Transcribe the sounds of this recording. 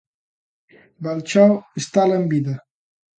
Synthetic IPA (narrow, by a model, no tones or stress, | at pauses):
balt͡ʃɔwest̪aləmbiðɐ